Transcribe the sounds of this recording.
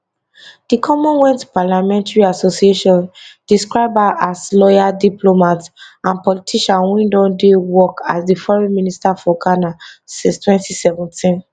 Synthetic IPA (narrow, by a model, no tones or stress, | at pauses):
d̥ikʰɔmɔ̃nwɛ̃ntpalamɛ̃ntaɹiasosieʃɔ̃nd̥iskɹaɪbaʔaslɔjadiplomatãnpɔlitʰiʃãnwĩndɔ̃dewɔkasdifɔɹĩministafɔɡanasĩstwɛ̃ntisɛvɛ̃ntʰĩn